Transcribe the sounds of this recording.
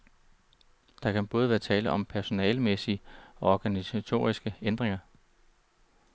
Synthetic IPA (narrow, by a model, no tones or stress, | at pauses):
d̥ɑ̈kʰænb̥ɔ̽ːð̞ˠʋæːɐt͡sʰɛːləʔɒ̽mpʰæɐso̝nɛːlmesiəɒɒɡ̥ænisæt͡sʰo̝̰ːʁisɡ̥əend̥ʁeŋɐ